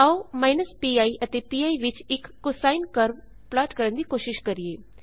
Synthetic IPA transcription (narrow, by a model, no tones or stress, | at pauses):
aomaːɪnəspiaːiʔət̪epiːaːiʋɪt͡ʃɪkːʊsaːinkəɾʋ | plaːʈkəɾənd̪iːkoːʃɪʃkəɾieː